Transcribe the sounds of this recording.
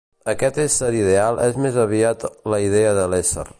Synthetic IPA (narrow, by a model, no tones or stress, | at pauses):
əkɛt̪esəɾið̞ealˠʔɛzmezəβ̞iat̪ləiðeəðəlesə̰ɾ